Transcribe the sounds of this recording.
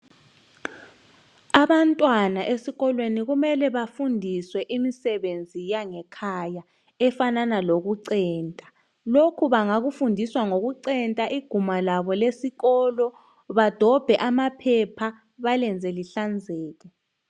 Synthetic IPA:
aβantʼwanaʔesiɣɔlweniɣumɛlɛβafundʱiswɛʔimisɛβend͡zʱijaŋɛkʰaja | ɛfananaloɣuǀɛːntʼḁ | lokʰuβaŋaɣufundʱiswaŋoɣuǀɛntʼaʔiɡ̥ʱumalaβɔlesiɣɔlɔ | βad̥ʱɔb̥ʱɛʔamapʰɛpʰa | βalɛnd͡zʱɛliɬand͡zʱɛːɣ̬ɛ

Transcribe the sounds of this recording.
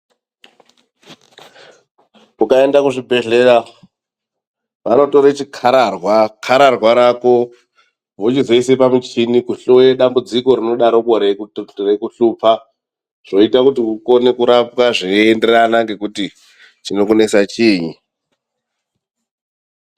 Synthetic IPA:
kukae̞ndakuʐibʱe̞ɮe̞ɾa | ʋano̞to̞ɾat͡ʃikʰarwakʰaɾarwaɾako̞ | ʋot͡ʃizeisepamut͡ʃinikuɬojeɗambud͡ziko̞ɾino̞ɗaɾo̞koɾerekuɬuːpa | ʐ̥o̞itakutiuko̞ne̞kuɾapwaʐeːnde̞ranaŋɡe̞kuti | t͡ʃino̞kune̞sat͡ʃiːɲi

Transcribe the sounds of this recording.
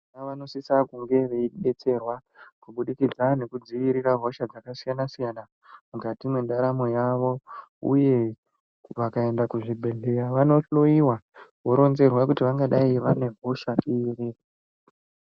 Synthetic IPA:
aʋano̞sisakuŋɡe̞ʋeiɓe̞t͡se̞rwakuɓuɗikid͡zane̞kud͡ziʋiɾiraɦo̞ʃad͡zakasijanasijana | mukatimwe̞ndaɾamo̞jaʋo̞ṵje̞ | ʋakae̞ndakuʐibʱe̞ɮe̞ɾaʋano̞ɬo̞jiwawoɾo̞nze̞rwakutiʋaŋɡaɗaiʋane̞ɦo̞ʃaire

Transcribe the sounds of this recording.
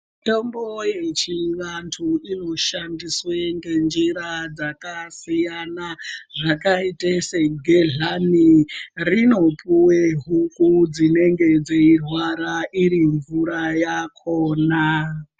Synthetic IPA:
tombojet͡ʃiʋantʰuino̞ʃandiswe̞ŋɡe̞nd͡ʒiɾad͡zakasijanaʐakaiteseɡʱeɮanirino̞puweɦukud͡zine̞ŋɡe̞d͡zeirwaɾaʔiɾiɱvuɾajakʰoːna

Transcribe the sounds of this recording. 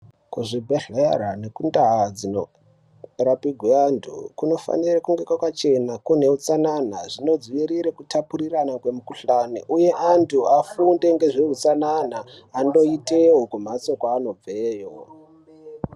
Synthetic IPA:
kuʐibʱeɮeɾane̞kundaɦad͡zino | rapiɡʱweantʰṵkuno̞fa̰nirakuŋɡekwakwat͡ʃe̞nakune̞ut͡sananaʐino̞d͡ziʋiɾiɾekutapuriranakwe̞mukuɬaniʔuje̞ʔantʰuafunde̞ŋɡe̞ʐeut͡sananaːndo̞itewokum̤at͡so̞kwaːno̞b͡veːjo̰

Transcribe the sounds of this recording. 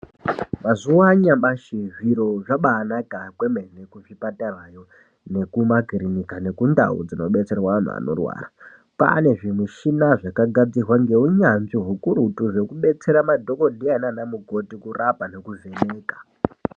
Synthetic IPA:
mazuaɲamɓaʃiviɾo̞ʐaɓaːnakakweme̞nekuvipatarajo̞ | ne̞kumakirinikane̞kunda̰ṵd͡zino̞ɓe̞t͡se̞rwaʋan̤ṵa̰no̞̰rwa̰ːra | pa̰ne̞ʐimiʃinaʐakaɡʱad͡zirwaŋɡe̞uɲanʐiɦukuɾutuʐe̞kuɓe̞t͡se̞ɾamadʱo̞ko̞dʱiananamuɡʱo̞tikurapane̞kuve̞neːkḁ

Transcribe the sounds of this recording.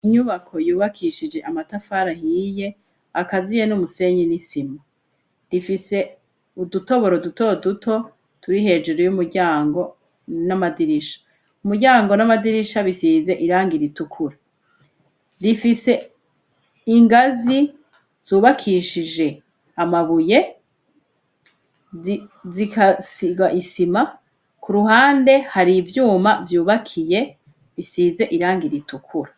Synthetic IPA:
iɲuβakʰo̞juːβakʰiʃid͡ʒe̞ʔamatafaːɾahije̞ | akazijenumuse̞ɲinisima | difise̞ | uduto̞βo̞ɾodutodutʰo̞ | tuɾiɦe̞ːd͡ʒeɾojumuɾɟaːŋɡo̞ | namadiɾiʃḁ | umuɾɟaːŋɡo̞namadiɾiʃaβisiːze̞ʔiɾaːŋɡiɾitukʰuɾa | zifise̞ | iŋɡazi | z̥uːβakʰiʃid͡ʒe̞ | amaβuje̞ | zikasiɡaʔisima | kʰuɾuɦaːnde̞haɾivjuːmavjuːβakʰije̞ | βisiːze̞ʔiɾaːŋɡiɾitukʰuɾa

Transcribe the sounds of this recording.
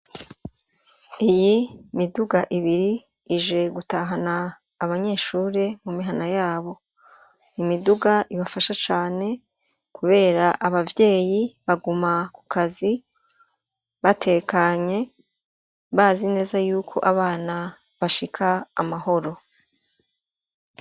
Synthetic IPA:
ijimiduɡaʔiβiɾiː | ʒe̞ɡutaːɦanaː | βaɲe̞ːʃuːɾe̞mumiɦanajaːβo̞ | imiduɡaʔiβafaʃat͡ʃaːne̞ | kʰuβe̞ːɾaʔaβavje̞ːjiβaɡumaku̥kʰazi | βatʰe̞kaɲe̞ | βaːzine̞ːzajuːkʰo̞̰ʔaβaːna | βaʃikʰaːmaɦo̞ɾo̞

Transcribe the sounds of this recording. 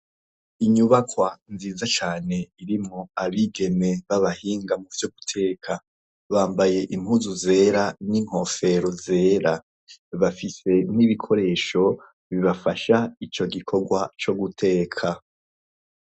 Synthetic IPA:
iɲuβakwanziːzat͡ʃaːne̞iɾimoaβiɡe̞me̞βaβahiːŋɡamuv̥joɡutʰe̞ːkʰa | βaːmbaje̞ʔim̥huzuze̞ːɾaniŋ̥ho̞fe̞ɾo̞ze̞ːɾa | βafise̞n̥iβikʰo̞ɾe̞ːʃo̞ | βiβafaʃait͡ʃo̞ɡikʰo̞ɡwat͡ʃo̞ɡutʰe̞ːkʰa

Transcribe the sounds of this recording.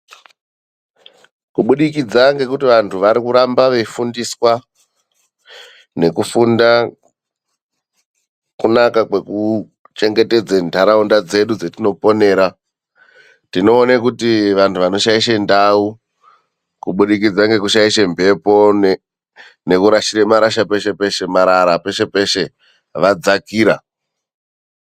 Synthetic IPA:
kuɓuɗikid͡zaŋɡe̞kutiʋantʰuʋaɾikuɾambaʋe̞fundiswa | ne̞kufunda | kunakakwe̞ku | t͡ʃe̞ŋɡe̞te̞d͡zendʱaɾaundad͡ze̞ɗud͡zotino̞po̞ne̞ːɾa | tino̞ːnekutiʋantʰuʋano̞ʃaiʃendau | kuɓuɗikid͡zaŋɡe̞kuʃaiʃembʱe̞po̞n | ne̞kuɾaʃiɾemaɾaʃape̞ʃe̞pe̞ʃe̞maɾaɾape̞ʃe̞pe̞ʃe̞ | ʋad͡zakiːɾa̰

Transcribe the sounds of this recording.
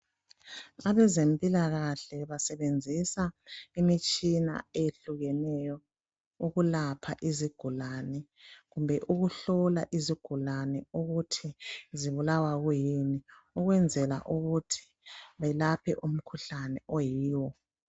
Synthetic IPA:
aβɛzempʼilaɣaɬɛβasɛβend͡zʱisaimit͡ʃʼina̰eɬuɣɛnɛjɔ | uɣulapʰa̰ʔiziɡ̥ʱulanɛ | ɣumbʱɛʔuɣuɬɔlaʔiziɡ̥ʱulanɛuɣutʰiziβulawaɣujiniuɣwɛnd͡zʱɛla̰ʔuɣutʰi̥ | βɛlapʰɛ̰ʔum̩kʰuɬanɛʔɔjiːwɔ

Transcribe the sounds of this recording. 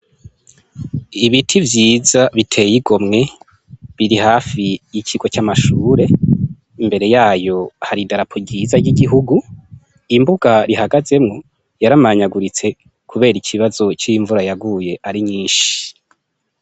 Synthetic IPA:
iβitʰivjiːzaβitʰe̞jiɡo̞mŋe̞ | βiɾihaːfijicʰiɡo̞t͡ʃamaʃuːɾe̞ | imbe̞ɾe̞jaːjo̞haɾidaɾapʰoɟiːzaɾɟiɡiɦuɡu | imbuɡaɾihaɡaze̞mŋo̞ | jaɾamaɲaɡuɾit͡se̞ | kʰuβe̞ːɾicʰiβazo̞t͡ʃijiɱvuɾajaɡuje̞ʔaɾiɲiːnʃi̥

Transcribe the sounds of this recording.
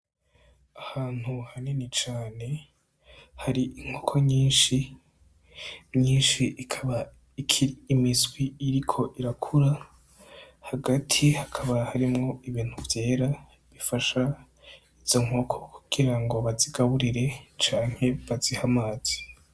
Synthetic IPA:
ahaːn̥huhanenit͡ʃaːne̞ | haɾiʔiŋ̥okʰoɲiːnʃi | ɲiːnʃikʰaβa | ikʰiiːmizɡwiiɾikʰo̞ʔiɾakʰuɾa | haɡatʰihakʰaβahaɾimŋo̞iβiːn̥huvje̞ːɾa | βifaʃa | iz̥o̞ŋ̥okʰo̞kʰu̥ɡ̥iɾaŋɡo̞βaziɡaβuɾiɾe̞t͡ʃaːŋhe̞βazihamaːz̥i̥

